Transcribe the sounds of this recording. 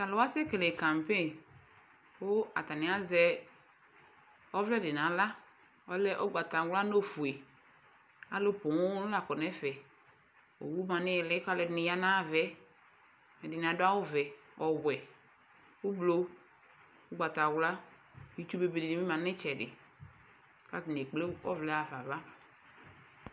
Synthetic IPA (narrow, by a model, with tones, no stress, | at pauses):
ka˨lʊ˨wa˦sɛ˦ke˨le˨ka˨m˨pe˦˨ | ʊ˦a̰˨ta˨nɪ̃˨˦a˦zɛ˦ | ɔ˦vlɛ˦dɪ˨na˨la˦ | ɔ˦lɛ˦ʔɔ˦ɡ͡ba˨ta˨wla˦no˦fu˨e˨ | a˨˦lʊ˦pʊ˨ŋʊ˦ʊ˦la˨kɔ˨nɛ˦fɛ˨ | o̰˨wu˦mã˨nɪ˦˨lɪ˦ka˨˦lɪ˨ɪ˨nɪ˨ja˦nã˦˨vɛ˨˦ | ɛ˨dɪ˨n˨a˨dʊ˦a˦wʊ˦vɛ˨ | ɔ˨wɛ˨ | ʊ˦blo˨˦ | ʊ˦ɡ͡ba˨ta˨wla˦˨ | i˨˦t͡ʃu˦be˨be˨di˨ni˨mi˦mã˨˦ɪ˦t͡ʃɛ˨dɪ̰˨ | ka˦tɪ˨ne˨k͡ple˦ɔ̰˦vlɛ˦a˨va˨va˦